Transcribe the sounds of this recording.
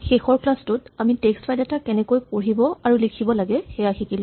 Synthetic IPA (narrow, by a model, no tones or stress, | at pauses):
xexɔɹklastʊtamitekstfajdɛtakɛnɛkojpoɹibɔaɹulikʰibɔlaɡɛxɛjaxikil